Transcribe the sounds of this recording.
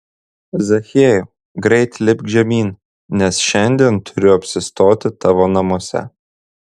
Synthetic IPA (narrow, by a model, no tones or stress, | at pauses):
zɐxʲeːju | ɡɾʲɛɪt̪ʲlʲɪbʲʒʲɛmʲiːn | nʲɛsʃʲɛnʲd̪ʲiɛnt̪ʰʊɾʲʊɐpʲsʲɪst̪oːt̪ʲɪt̪ɑʋoːnɐmuɔsʲɛ̰